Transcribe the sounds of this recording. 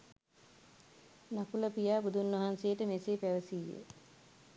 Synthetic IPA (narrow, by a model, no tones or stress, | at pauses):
nakuləpijaːbud̪unːʋɐɦansejəʈəmesepæʋəsijːḛ